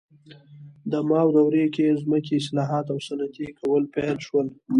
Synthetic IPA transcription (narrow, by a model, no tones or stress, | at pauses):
d̪əmɑwd̪awɾekezməkeɪslɑɦɑt̪awsanat̪ikʰawəlpelʃwəl